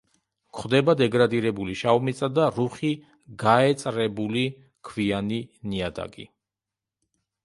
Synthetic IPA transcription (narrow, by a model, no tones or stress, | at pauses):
kʰχd̪ɛbad̪ɛɡɾad̪iɾɛbuliʃaumit̪sʼad̪aɾuχi | ɡaɛt̪sʼɾɛbuli | kʰvianiniad̪a̰ɡḭ